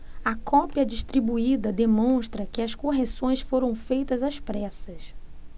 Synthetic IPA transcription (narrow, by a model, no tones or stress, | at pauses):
ɐkʰɔpiɐd͡ʒiʃt̪ɾibuid̪ɐd̪emõʃt̪ɾɐkɪɐskoɦesõj̃sfoɾɐ̃w̃fejt̪ɐzɐspɾɛsɐs